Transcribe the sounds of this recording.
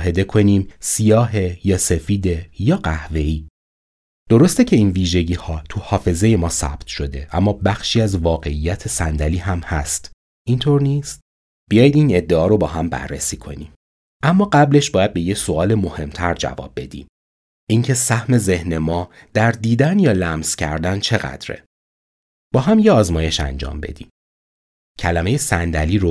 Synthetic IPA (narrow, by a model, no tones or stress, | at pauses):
ɦe̞d̪e̞kʰo̞niːmsijɒːɦe̞jɒːsefiːd̪e̞jɒːɢæhve̞iː | d̪̥o̞ɾost̪ecʰe̞iːnviːʒe̞ɟiːhɒːt̪ʰuhɒːfe̞ze̞je̞mɒːsæ̰bt̪ʰʃo̞d̪e̞ʔæ̰mːɒːbæxʃiːæzvɒːɣe̞ijːæt̪ʰesænd̪æliːɦæmhæ̰st̪ | ʔint̪ʰoɾniːst̪ | b̥ijɒːjid̪iːne̞d̪ːe̞ɒːɾo̞bɒːɦæmbæ̰rːesiːkʰo̞niːm | ʔæmːɒːɢæble̞ʃbɒːjæd̪̚be̞jecsoɒːlemo̞he̞mt̪ʰæɾd͡ʒæ̰vɒ̰ːb̥̚ːe̞d̪ḭːm | iŋcʰe̞sæhme̞ze̞hne̞mɒː | d̪̥æɾd̪iːd̪ænjɒːlæmz̥cʰæ̰ɾd̪ænt͡ʃʰe̞ɣæ̰d̪ɾḛ | b̥ɒːɦæmjeɒːzmɒːje̞ʃæ̰nd͡ʒɒ̰ːmbe̞̰d̪ḭːm | cʰælæme̞jesænd̪æliːɾo